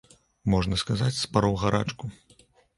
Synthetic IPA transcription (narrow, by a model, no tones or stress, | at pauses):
mɔʐnɐskazat͡sʲspaɾɔwɣaɾa̰t͡ʂku